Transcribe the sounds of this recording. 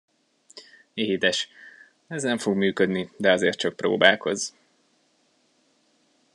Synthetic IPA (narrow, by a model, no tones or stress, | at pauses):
eɦit̪ɛʃ | ɛznɛɱfo̞ɡmyːkød̪nid̪ɛɒzeːrt̪̚t͡ʃɒk̚pro̰ːbaːko̞z